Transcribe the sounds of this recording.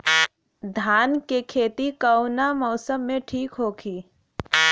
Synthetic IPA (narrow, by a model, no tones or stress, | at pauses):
d̪ʱaːnkekʰeːt̪ikəʊnamɔːsəmːẽʈʰiːkɦoːkʰiː